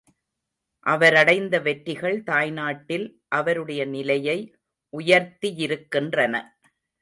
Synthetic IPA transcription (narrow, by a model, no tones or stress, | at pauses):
ʔɐʋɐɾɐɽɐɪnd̪ɐʋɛʈɾɪɣɐɭt̪aːjnaːʈːɪlʔɐʋɐɾɯɽɐjɐnɪlɐjɐɪ | ʔʊjɐɾt̪ijɪɾɯkːɪndrɐnɐ̰